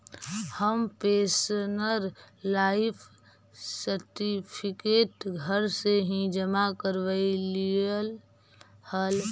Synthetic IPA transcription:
həmpesnəɾ | laɪpʰ | səɾʈipʰikeːʈɡʱəɾseɦĩd͡ʒəmakəɾʋəiliəl | həl

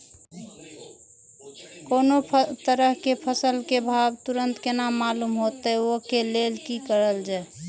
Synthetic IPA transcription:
koːnot̪əɾəɦkepʰəsəlkebʱabt̪uɾənt̪kenamːalumɦot̪əokelelkikəɾəld͡ʒae

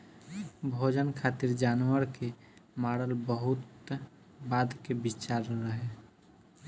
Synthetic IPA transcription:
bʱod͡ʒənkʰaːt̪iɾd͡ʒaːnwəɾke | maːɽəlbəɦʊt̪ | baːd̪kebit͡ʃaɾːəɦe

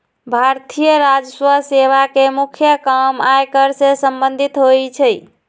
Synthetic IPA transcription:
bʱaɾt̪ʰijəɾad͡ʒəswəseβakemukʰjəkəmajkəɾsẽsəmbənd̪ʱit̪ɦojt͡ʃʰəj

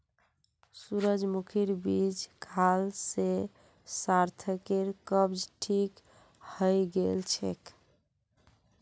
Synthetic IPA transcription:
suɾəd͡ʒmukʰiɾbid͡ʒkʰalse | saɾt̪ʰəkeɾkəbd͡ʒʈʰik | həjɡelt͡ʃʰḛk

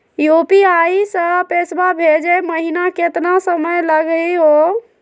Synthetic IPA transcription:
jopiaisəpesbabʱed͡ʒeməɦinaket̪nasəməjləɡiɦo

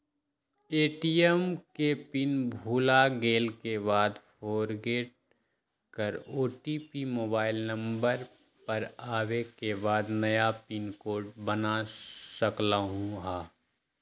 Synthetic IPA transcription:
eːʈiɛmkepɪnbʱuːlaɡeːlkebaːd̪pʰoːɾɡeːʈ̚ | kəɾoːʈipimoːbaːɪlnə̃mbəɾ | pɐɾaːwekebaːd̪nɐjapɪnkoːʈbənasəklaɦũɦaː

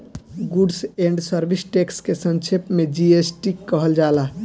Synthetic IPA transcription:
ɡuɖsẽɳɖsəɾbisʈekskesə̃nt͡ʃʰepmed͡ʒiesʈikəɦəld͡ʒala

